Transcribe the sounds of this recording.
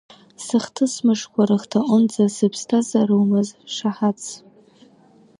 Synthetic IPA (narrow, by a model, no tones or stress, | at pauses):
sɨχtʰɨsmɨʂkʷʰaɾɨχtʰaʔʼʊnd͡zasɨpʰstʰazaɾɨwmɨzʂaħat͡sʰ